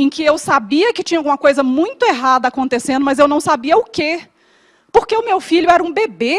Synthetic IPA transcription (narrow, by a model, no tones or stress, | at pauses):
ẽkɪewsabiɐkɪt͡ʃĩɲɐawɡũmɐkojzɐmũj̃t̪ʊeɦad̪ɐakõnt̪esẽnd̪ʊmɐzewnɐ̃w̃sabiɐʊke | poɾkeʊmewfiʎʊɛɾɐũbebe